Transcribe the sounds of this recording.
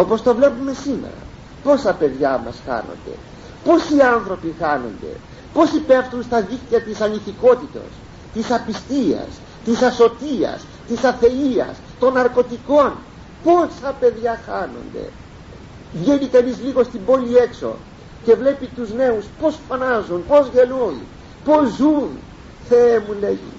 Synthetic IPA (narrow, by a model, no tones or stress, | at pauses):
o̞po̞st̪o̞vle̞pume̞sime̞̰ɾɐ̰ | po̞sɐpe̞ðʝɐmɐ̰sxɐ̰no̞̰nd̪e̞̰ | po̞sianθɾo̞pixɐno̞̰nd̪e̞̰ | po̞sipefθunst̪ɐðikt̪iɐt̪isɐniθiko̞t̪it̪o̞̰s | t̪isɐpist̪iɐ̰s | t̪isɐso̞t̪iɐ̰s | t̪isɐθe̞iɐ̰st̪o̞nːɐɾko̞t̪iko̞n | po̞sɐpe̞ðʝɐxɐno̞̰nd̪ḛ | vʝenikɐnizliɣo̞st̪imbo̞lie̞kso̞̰ | ce̞vle̞pit̪uzne̞uspo̞sfɐnɐzunpo̞zʝe̞lun | po̞zun | θeemuleʝḭ